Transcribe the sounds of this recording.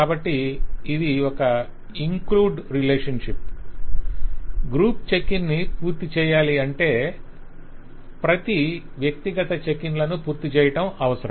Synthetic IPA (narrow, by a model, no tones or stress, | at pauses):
kaːbɐʈːiːd̪iɔkɐ | iŋkluːɖɾilɛːʂɐnʂip̚ | ɡɾuːpt͡ʃekinːipuːɾt̪it͡ʃɛːjaːliɐɳʈe̞ː | pɾɐt̪i | ʋjɐk̚t̪iɡɐt̪ɐt͡ʃekinlɐnupuːɾt̪it͡ʃɛːjɐʈɐmɐʋɐsɐɾɐ